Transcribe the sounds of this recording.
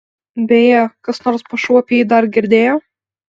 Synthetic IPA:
bʲɛjɛkɐsnoːɾspɐʃuɔpʲiid̪ɐɾɡʲɪɾʲd̪ʲeːjoː

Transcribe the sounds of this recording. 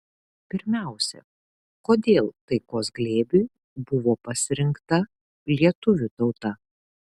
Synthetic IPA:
pʲɪɾʲmʲæˑʊsʲɛ̰ | koːd̪ʲeːlˠt̪ɐɪkoːsɡlʲeːbʲu | bʊʋoːpɐsʲɪɾʲɪŋkt̪ɐ | lʲiɛt̪ʊʋʲʊt̪ɒʊt̪ɐ

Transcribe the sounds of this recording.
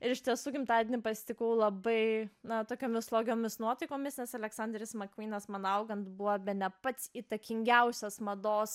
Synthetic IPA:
ɪɾɪʃʲt̪ʲiɛsuːkʲɪmt̪ɑːd̪ʲenʲɪpɐsʲɪ̥t̪ʲɪkɐʊlˠɐbɐɪnɐt̪oːkʲoːmʲɪslˠoːɡʲoːmʲɪsnuɔt̪ɐɪkoːmʲɪsnʲɛsɐlʲɛksɑːnʲd̪ʲɾʲɪsmɐkʋʲiːnʲɐsmɐnɐʊɡɐnt̪buʋɐbʲɛnʲɛpɐt̪siːt̪ɐkʲɪŋʲɡʲɛʊsʲɛsmɐd̪oːs

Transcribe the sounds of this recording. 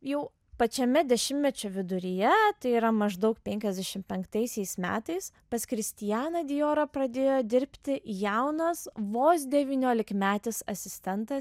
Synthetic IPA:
jɛʊ | pɐt͡ʃʲɛmʲɛd̪ʲɛʃʲɪmmʲɛt͡ʃʲoʋʲɪd̪ʊɾʲɪjɛt̪ɐɪiːɾɐmɐʒd̪ɐʊkpʲɛŋʲkʲɛzʲd̪ʲɛʃʲɪmpʲɛŋkt̪ɐɪsʲɛɪsmʲæ̰ːt̪ɐɪs | pɐskɾʲɪsʲt̪ʲɪjæːnɐd̪ʲɪjoːɾɐpɾɐd̪ʲeːjoːd̪ʲɪɾʲpʲt̪ʲɪjɛʊnɐsʋoːsʲd̪ʲɛʋʲiːnʲoːlʲɪkmʲæːt̪ʲɪsɐ̰sʲɪsʲt̪ʲɛnt̪ɐ

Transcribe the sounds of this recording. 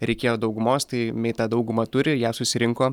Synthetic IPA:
ɾʲɛɪkʲeːjoːd̪ɐʊɡʊmoːst̪ɐɪmʲɛɪt̪ɑːd̪ɐʊɡʊmɐt̪ʊɾʲɪjæːsʊsʲɪɾʲɪŋkoː

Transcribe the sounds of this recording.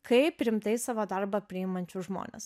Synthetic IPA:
kɐɪpɾʲɪmt̪ɐɪsɑːʋoːd̪ɐɾbɐpʲɾʲɪɪmɐnʲt͡ʃʲʊʒmo̰ːnʲḛs

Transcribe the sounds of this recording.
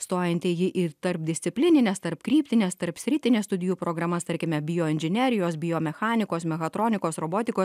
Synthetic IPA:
st̪oːjɛnʲt̪ʲɪjɪʔɪt̪ɐɾpd̪ʲɪsʲt̪sʲɪpʲlʲɪnʲɪnʲɛst̪ɐɾpkɾʲiːpʲt̪ʲɪnʲɛst̪ɐɾpsʲɾʲɪt̪ʲɪnʲest̪ʊd̪ʲɪjuːpɾoːɡɾɐmɐst̪ɐɾʲkʲɪmʲɛbʲɪjoːɪnʲʒʲɪnʲɛːɾʲɪjoːsbʲɪjoːmʲɛxɑːnʲɪkoːsmʲɛɣɐt̪ɾoːnʲɪkoːsɾoːboːt̪ʲɪkoːs

